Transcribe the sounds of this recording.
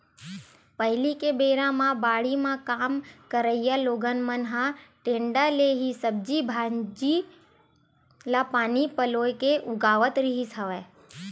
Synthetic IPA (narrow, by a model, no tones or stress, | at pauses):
pəɦɪlikebeːɾãmãbaːɽimãkaːmkəɾəɪjaloːɡənmənɦãʈẽːɳɖaleɦisəb̚d͡ʒibʱaːd͡ʒi | lapaːnipəloːjkeʔʊɡaːʋət̪ɾiɦisəʋeː